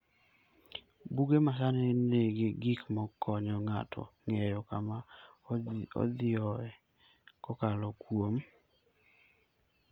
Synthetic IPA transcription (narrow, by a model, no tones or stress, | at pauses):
buɡemasanɪneɡeɡikmɔkʰɔɲɔŋatʰɔ̰ŋɛjɔkama | ɔ̰d̪ɪɔɛ | kɔkalɔkwom